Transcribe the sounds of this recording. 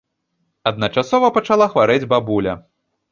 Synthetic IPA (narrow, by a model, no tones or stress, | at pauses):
ɐd̪̚nɐt͡ʂasɔvɐpɐt͡ʂalˠaxvaɾɛd͡zʲbabulʲɐ